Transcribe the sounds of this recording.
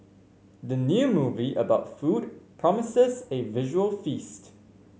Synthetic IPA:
ðənjuːmuviʔəbaʊtfudpʰɹ̥ɔmɪsəzevɪʒəwəlˠfist

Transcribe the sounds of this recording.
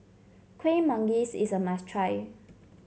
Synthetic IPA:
kʰwẽnmãŋɡisḭsəmastʰɹaj

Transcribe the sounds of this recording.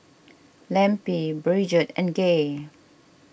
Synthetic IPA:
lɛ̃mpibɹid͡ʒətɛ̰̃nɡe

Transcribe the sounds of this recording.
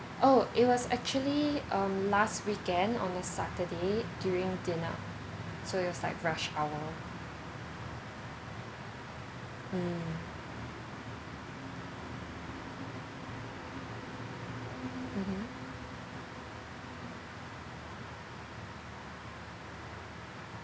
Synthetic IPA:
ʔoʔɪt̚wɔsɛk̚t͡ʃuəliʔʌ̃mlastwikɛ̃ndɔ̰̃ndəsatədedjuɹɪ̃ŋdɪnə̰ | soɪt̚wɔslaɪkɹaʃawə | m̩ | m̩m̥m̩

